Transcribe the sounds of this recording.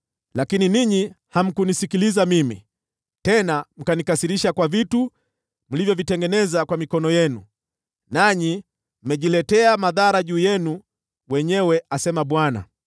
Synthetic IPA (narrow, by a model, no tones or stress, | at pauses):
lakininiɲiham̩kunisikilizamimḭ | tɛnam̩kanikasiɾiʃakwavitu | m̩livjɔvitɛŋɡɛnɛzakwamikɔnɔjɛnu | naɲi | m̩mɛʄilɛtɛamaðaɾaʄuːjɛnu | wɛɲɛwɛasɛmaɓwana̰